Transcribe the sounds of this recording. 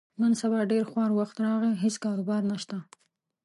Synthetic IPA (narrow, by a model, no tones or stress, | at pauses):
nənsabɑɖeɾxwɑɾwaxt̪ɾɑɣiɦeskɑɾʊbɑɾnaʃt̪a